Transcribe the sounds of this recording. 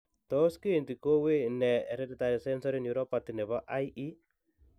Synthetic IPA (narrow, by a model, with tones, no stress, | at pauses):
tɔ˦ske˦˨nti˨ko˦we˦nɛ˨ɾɛ˦di˨t̪aɾi˨sɛ˦nsɔ˦ɾi˦nju˨ɾɔ˦pat̪i˨nɛ˨βa˦ʔa˦jʔi˦